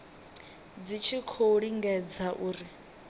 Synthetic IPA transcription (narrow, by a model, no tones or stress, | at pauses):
d͡zit͡ʃʰikʰoɺiŋɡɛd͡zaʔuːri